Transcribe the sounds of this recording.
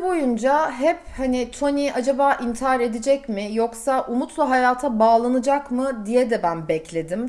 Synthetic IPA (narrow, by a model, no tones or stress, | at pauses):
bo̞jund͡ʒaɦɛphanɪt̪ʰo̞niʔad͡ʒabaːʔint̪ʰaɾe̞d̪id͡ʒɛcmɪjo̞ksaʔumut̪lˠaɦajaːt̪ʰabaːlˠanɯd͡ʒakmɯd̪ijɛd̪ɛbænbɛclʲe̞d̪im